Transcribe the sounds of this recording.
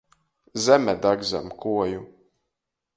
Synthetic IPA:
zɛmɛd̪aɡza̰mkʰuɔju

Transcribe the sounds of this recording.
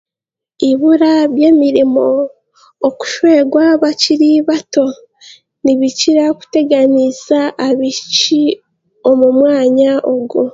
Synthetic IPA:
iβuɾaβje̞ːmiɾimo̞ː | ku̥ʃwe̞ːɡwaβaciɾiβato̞ | niβiciɾaku̥te̞ɡanizaːβit͡ʃi | o̞mumwaːɲaʔoɡo

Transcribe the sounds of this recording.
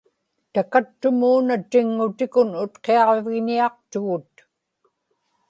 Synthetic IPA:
t̪akat̪ːʊmuːnat̪ɪŋːʊt̪ɪkʊnʊt̪qeɑʁvɪɣɲiɑq̚t̪ʊɣʊt̪

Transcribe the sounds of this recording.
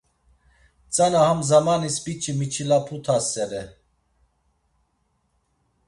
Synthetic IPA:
t͡sʼanahamzamanispit͡ʃʰimit͡ʃʰilapʰut̪ʰasɛɾɛ

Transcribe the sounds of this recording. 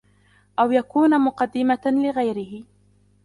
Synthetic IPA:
ʔawjakuːnamʊqɑd̪ːɪmalɪɣajɾɪhɪ

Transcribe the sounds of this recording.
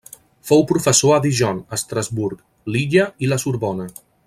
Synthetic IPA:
fowpɾufəsoəðiʒɔnəst̪ɾəzβuɾk | liʎəiləsuɾβɔnə

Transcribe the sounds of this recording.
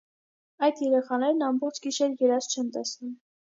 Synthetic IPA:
ɑjd̪jɛɾɛχɑnɛɾnɑmbɔχt͡ʃʰɡiʃɛɾjɛɾɑst͡ʃʰɛnt̪ɛsum

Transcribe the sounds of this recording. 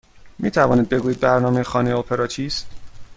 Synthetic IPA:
miːt̪ʰævɒːniːd̪̚be̞ɡuːjid̪̚bæɾnɒːme̞jexɒːnejopʰeɾɒːt͡ʃʰiːst̪

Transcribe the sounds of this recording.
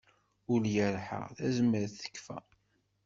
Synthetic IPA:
ʊljəɾħə̰ʁθæzəmːəɾθə̥kːfæ̰

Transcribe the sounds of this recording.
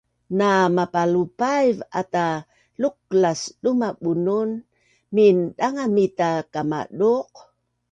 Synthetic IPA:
namapalupajvata | luk̚lasɗumaɓunun | minɗaŋamitakama̰ɗuq̚

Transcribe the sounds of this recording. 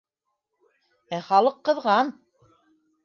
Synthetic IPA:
æχɑlˠɤqːɤ̆ðʁɑn

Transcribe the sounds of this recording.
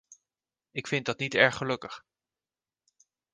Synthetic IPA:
ɪkfɪntdɑtnitɛɹχəlɵkəχ

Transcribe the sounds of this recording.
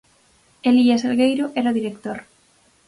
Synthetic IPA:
eliaselɣejɾoʔɛɾaoðiɾekt̪oɾ

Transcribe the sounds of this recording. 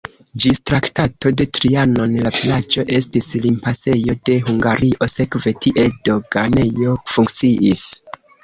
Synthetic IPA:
d͡ʒistɾaktato̞de̞tɾiano̞nlavilad͡ʒo̞ʔe̞stislimpase̞jo̞de̞ɦuŋɡaɾiʔo̞se̞kve̞tʰiʔe̞do̞ɡane̞jo̞fuŋkt͡siʔis

